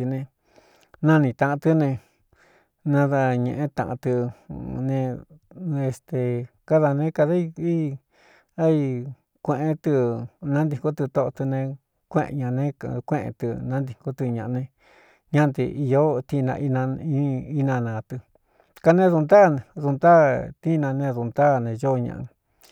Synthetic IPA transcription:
i˧nẽ˧ | nã˦˧nĩ˧t̪ã˧ʔã˧t̪ɨ˦nẽ˧ | nã˧ða˧ɲḛ̃˧ʔẽ˦t̪ã̰˧ʔã̰˧t̪ɨ˧nẽ˧ | e˧st̪e˧ka˦ða˧nẽ˧˦ka˧ða˦i˧i˦ | a˦i˧ | kʷẽ˧ʔẽ˧t̪ɨ˧nã˦nd̪i˧ŋko˦t̪ɨ˧t̪o˧ʔt̪ɨ˧nẽ˧ | kʷḛ̃˦˧ʔɲã˧nẽ˦˧kʷẽ˦ʔḛ̃˧t̪ɨ̰˧nã˦nd̪i˧˨ko˦t̪ɨ˧ɲã˧ʔnẽ˧ | ɲã˦˧t̪ɨ̰˧i˧jo˦t̪i˧nã̰˧ʔi˧nã˧i˦i˦nã˧nã˨t̪ɨ˧ | ka˧nẽ˦ðu˧nd̪a˦˨nẽ˧ðu˧nd̪a˦t̪i˦˧nã˧nẽ˧ðu˧nd̪a˦˨nẽ˨˧jo˦˧ɲã̰˧˨ʔ

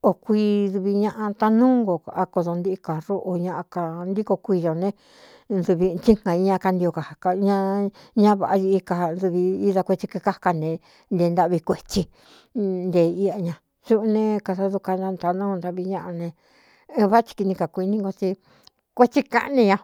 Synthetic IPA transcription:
o˨kʷiː˧ðu˧βi˧ɲã˦˧ʔã˧t̪a˧nũː˦ŋɡo˨a˧ko˧ðo˧nd̪i˦i˧ka˨ɾo˦ʔo˧ɲã˧ʔa˧ka˧nd̪i˦ko˧kʷiː˧jo˨nẽ˦ | ndu˧βi˧t͡ʃi˦ŋ̥ã˨i˦ɲã˦˧ka˧nd̪i˧o˧ka˨hka˧ɲã˦ɲã˦βa˨ʔa˧ji˧i˧ka˨nðu˧βi˧i˦ða˧kʷe˧t͡ʃi˧ki˧ka˦hka˧nẽ˨ | nd̪e˧nd̪a˦βi˧kʷe˧t͡ʃi˧ | nd̪e˨i˧a˧ɲã˧ | su˦ʔnẽ˦˧ka˧sa˧ðu˧ka˧ɲã˧t̪a˧nũ˦˧nd̪a˧βi˧ɲã˦ʔa˧nẽ˧ | βa˦t͡ʃi̥˧ki˧nĩ˧ka˨kʷi˧nĩ˦ŋɡo˧t͡ʃi˧ | kʷe˦t͡ʃi˦ka̰˦ʔnĩ˧ɲã˧

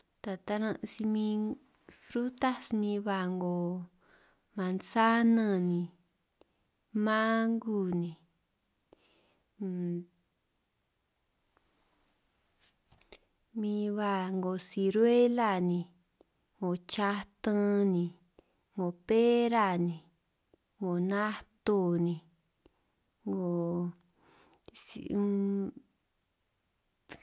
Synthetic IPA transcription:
t̪a˨t̪a˧nã˧ʔsi˧mĩ˧ | fɾu˦t̪a˦snĩ˧βa˧˨ŋɡo˨ | mã˨nsa˦nə̃˧nĩ˨ | mã˦ŋɡu˦˨nĩ˨ | mĩ˧βa˧˨ŋɡo˨si˧ɾwe˦la˦˨nĩ˧ | ŋɡo˨t͡ʃa˦t̪ã˦nĩ˨ | ŋɡo˨pe˦ɾa˦˨nĩ˨ | ŋɡo˨nã˦t̪o˦˧nĩ˨ | ŋɡo˨ | si˨

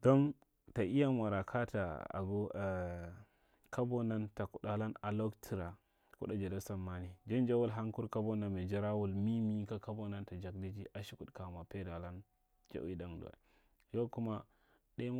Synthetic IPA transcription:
do˦n | ta˨ʔi˦ja˦mʷa˨ɾa˨kʰa˦ta˨a̰˨ɡo˦˨ | ka˦bo˦na˦nta˨ku˨ɗa˨la˦na˨lo˦ktʰi˨ɾa˨ | kṵ˦ɗa˦d͡ʒe˨da˦sa˨mːa˦ni˨d͡ʒe˦nd͡ʒa˦wu˦lɦa˦ŋku˦ɾka˦bo˦na˨nme˨d͡ʒa˦ɾa˦wu˦˨lmi˦mi˦ka˦ka˦bo˦na˦nta˨d͡ʒa˨k̚di˦d͡ʒi˦ʔa˨ʃi˦ku˨tka˨ma˨pe˦da˨la˦n | d͡ʒa̰˨wi˦da˨m˨dṵ˨a̰˨ | jo˦ku˦ma˦ | ɗe˦

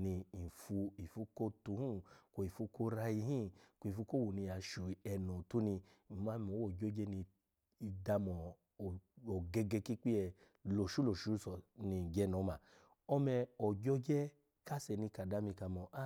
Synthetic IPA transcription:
nĩ˧i˨fu˧i˨fu˧˦ko˦tu˨˦hũ˦ko˨i˨fu˧˦ko˦ɾa˧i˧ɦĩ˦ko˧i˨fu˨˦ko˦wo˨nĩ˧a˨˧ʃu˨ɛ˧nɔ̃˨tu˦nĩ˧˨ | mã˦˧ɔ̃˨˦wd͡ʒɔ˦d͡ʒɛ˦nĩ˧ | i˧da˧mɔ˨ | ɔ˨ɡɛ˧ɡɛ˧ki˦k͡pi˦ɛ˧ | lo˨ʃu˨˦lo˨ʃu˨˦sɔ˨nĩ˧˨d͡ʒɛ˨˦nɔ̃˨˦ma˨ | ɔ˧mɛ˧ɔ˨d͡ʒɔ˦d͡ʒɛ˦ | ka˦sɛ˧˨nĩ˧ka˨da˨˦mĩ˧ka˧mɔ˨˧ʔa˦˨

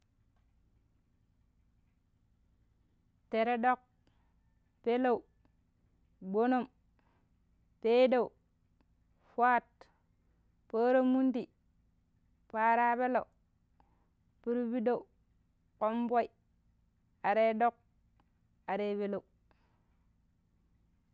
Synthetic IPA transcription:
te˨ɾe˦do˦k̚ | pe˦lo˦˨u˨ | ɡ͡bo˦no˦˨m | pe˦da˦˨u˨ | fa˦t | po˦ɾo˦mːu˦nti˨ | pa˦ɾa˦pe˦lo̰˨ | pi˦ɾbi˦do˦u˨ | ko˦mbo˦i˨ | a˨ɾe˦do˦k̚ | a˨ɾe˦be˦lo˨u

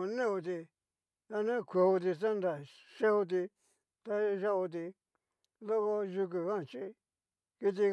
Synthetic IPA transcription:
nẽ˦u˧t̪̬i˧ | a˧nẽ˦kʰʷe˨u˧t̪i˧sa˦nd̪a˨ | ʂe˦u˧t̪̬i˧ | t̪a˧ʒa˦o˧t̪̬i˧ | lo˦ko˧ʒu˧k̬u˨kã˦˨t͡ʃi˦˧ | ki˧t̪̬i˧

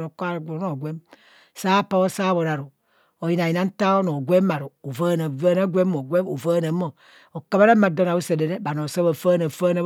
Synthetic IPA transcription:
ɾo˨ka˦ɾɡno˨ɡʷe˦m | sa˦pa˦o˦sa˦bo˨ɾa˨ɾu˨ | o˨ji˦na˨ji˨na˦n̩˦ta˦o˦no˨ɡʷe˦ma˨ɾu˨o˨va˦na˨va˦na˦ɡʷe˦mː˦o˨ɡʷe˦o˨va˦na˨˦mo˨ | o˨ka˨ba˦ɾe˦ma˨do˦na˨u˦se˨de˨ɾe˦ba˨no˨sa˦βa˨fa˦na˨fa˦na˦

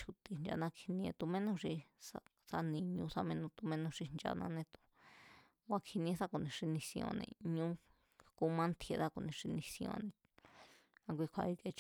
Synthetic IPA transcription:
t͡ʃʰu˧t̪i˧nd͡ʒa̰˧nã˧kʰi˧nĩ˧ẽ˧t̪u˧mẽ˦nõ˧ʂi˧sa˧ | sa˧nĩ˧ɲũ˧˦sa˧mẽ˧nõ˧t̪u˧mẽ˦nõ˧ʂi˧nd͡ʒa̰˧nã̰˧nẽ˧t̪u̥˧ | ɡʷa˧kʰi˧nĩ˧ẽ˧sa˦ku˧˨nĩ˨ʂi˧nĩ˧sĩ˧õ̰˧nḛ̃˧ɲũ˦ | ku˦˧˦mã˦nt̪ʰje˧ða˦ku˧˨nĩ˨ʂi˧nĩ˧sĩ˧õ̰˧nẽ˧ | ã˧k̬ʷi˧kʷʰa˧i˧ke˧t͡ʃ

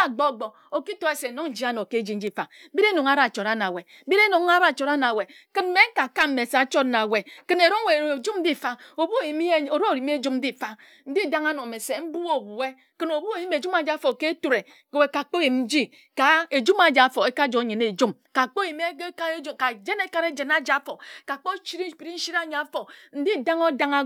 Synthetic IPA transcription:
a˦˨ɡ͡bɔ˦˨ɡ͡bɔ˨ | o˨ki˦tɔ˨˦e˦se˨no˦ŋn̩˦d͡ʒi˦a˦no˨ke˦d͡ʒi˦n̩˦d͡ʒi˦fa˨˦bi˦ɾe˦no˨ŋa˦ɾa˨t͡ʃɔ˨ɾa˦na˨we˨˦bi˦ɾe˦no˨ŋ˦a˦ɾa˦˨t͡ʃɔ˨ɾa˦na˨we˨ | kɨ˦n̩˦me˦ŋ̩˦ka˨ka˦m̩˦me˨st͡ʃɔ˦tna˨we˨kɨ˦ne˨ɾo˦ŋ˦we˨d͡ʒu˦n̩˦di˦˨fa˦o˨bu˦˨ji˨m˦o˨ɾo˦o˨ɾi˨mi˦e˦d͡ʒu˦mn̩˦di˦˨fa˦ | n̩˦di˦˨da˦ŋa˦nɔ˨me˨se˨m̩˦bu˦o˦˨bu˨e˦ | kɨ˦no˨bu˦o˨ji˦me˨d͡ʒu˦ma˨d͡ʒa˦fo˨ke˦tu˦ɾe˨ | we˨ka˨k͡po˦ji˨mn̩˦d͡ʒi˦ | ka˨e˨d͡ʒu˦ma˨d͡ʒa˨fo˨e˦ka˦d͡ʒo˨˦ɲe˨ne˨d͡ʒu˦m | ka˨k͡po˦ji˨me˦ka˦e˦d͡ʒka˨d͡ʒe˦ne˦ka˦ɾe˦d͡ʒe˨na˦d͡ʒa˨˦fo˨ka˨k͡po˦t͡ʃi˦ɾi˦˨pi˨ɾi˦n̩˦ʃi˦ɾa˦˨ɲa˨˦fo˨n̩˦di˦˨da˦ŋo˦da˦ŋa˦

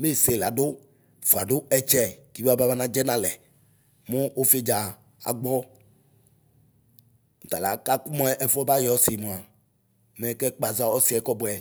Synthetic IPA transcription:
me˦˨se˨la˨do˦ | fu˨a̰˨ɖo˦ɛ˦t͡ʃɛ˦˨ki˦a˦ba˦ba˦nã˦d͡ʒɛ˦nã˦lɛ˨ | mõ˦ʔo˦fe˦d͡ʒa˨ | a̰˨ɡ͡bɔ˦˨ | t̪a˨la˨˦ka˦ku˦mɔ̃˦ɛ˦ʔɛ˨fɔ˦ba˦jɔ˦si˨mɔ̃˨a˨ | mɛ˦kɛ˦k͡pa˨za˦wɔ˦si˨˦ɛ˨˦kɔ˦bɛ˨

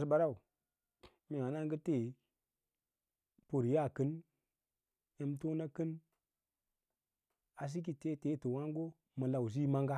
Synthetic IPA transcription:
sba˨ɾa˦˨wu˨ | mi˨a˨na˦ŋɡə˦te˦˨ | po˨ɾja˦˨kɨ˦n | e˦mto˦na˦kɨ˦n | a˨s̬i˦k̬i˨te˦te˦tu˨wa˦ŋ˦ɡo˦ | mə˨la˨wz̬i˦ma˦ŋɡa˦

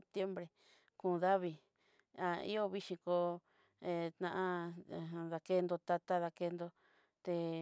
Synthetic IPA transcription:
p̚t̪je˦mbɾe˨ | kũ˨˧ða˦βi˧ | a˧ḭ˦o˦βi˦ʃĩ˧ko˧ | e˧t̪nã˧ʔã˧˨ | ða˧ke˦˧nd̪o˧t̪a˧t̪a˦ða˧ke˧nd̪o˧ | t̪e˧

